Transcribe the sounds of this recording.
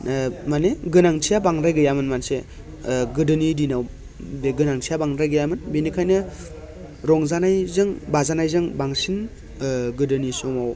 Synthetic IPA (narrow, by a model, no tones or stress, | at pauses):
maneɡɯnaŋtʰijabaŋɾajɡɯjamɯnmanse | ɡɯdɯnidinaw | deɡɯnaŋtʰijabaŋɾajɡɯjamɯnbenikʰajnɯ | ɾɔŋzanajzɯŋbazanajzɯŋbaŋsin | ɡɯdɯnisomaw